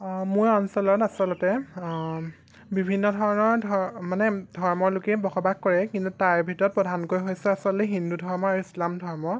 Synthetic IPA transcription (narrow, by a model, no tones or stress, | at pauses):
mʊɹɔnsɔlɔtasɔlɔtɛ | bibʱinːɔdʱɔɹɔnɔɹdʱɔmanɛdʱɔɹmɔɹlʊkɛbɔxɔbaɡkːɔɹɛkintutaɹbʱitɔɹɔt̚pɹɔdʱankojɦojsɛasɔlɛɦindudʱɔɹmɔaɹuislamdʱɔɹmɔ